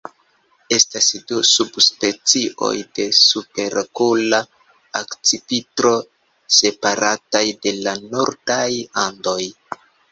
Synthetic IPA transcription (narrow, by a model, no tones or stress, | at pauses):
e̞stasdusubspe̞t͡siʔo̞̰jde̞supe̞ɾkula | akt͡sipitɾo̞ | se̞paɾatajde̞lano̞ɾdajando̞j